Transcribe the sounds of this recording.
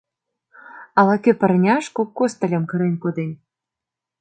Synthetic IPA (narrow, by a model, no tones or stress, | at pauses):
ɑlɑkʲepɘ̆rnʲɑʃkokːost̪ə̆lʲɤ̆mkɤ̆ɾenʲkod̪enʲ